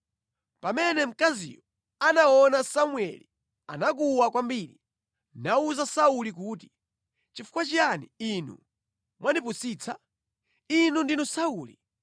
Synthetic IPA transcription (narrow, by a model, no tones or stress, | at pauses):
pamɛnɛm̩kazḭjɔ | anaɔnasamwɛ̰li | a̰nak̬uwakwambiɾi | nauzasaulik̬uːti̥ | t͡ʃifu̥kwat͡ʃaniinṵ | mwanipusiːt͡sʰa | inundinɔsauːli